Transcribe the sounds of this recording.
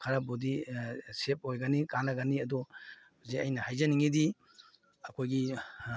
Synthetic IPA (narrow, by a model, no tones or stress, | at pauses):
kʰɐɾabodisep̚ojɡanikaŋlaɡaniɐdɔ | zeɐjnɐhajzɐniŋidi | ɐkʰojɡi